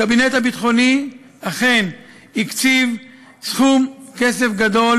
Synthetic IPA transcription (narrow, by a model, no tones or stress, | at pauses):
abinet̪habitχo̞ni | aχe̞n | ikt͡siv | sχumkesefɡad̪o̞l